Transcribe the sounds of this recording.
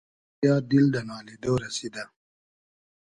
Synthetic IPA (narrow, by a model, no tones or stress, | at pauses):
jɑːd̪ild̪ɐnɑːlid̪oɾɐsid̪a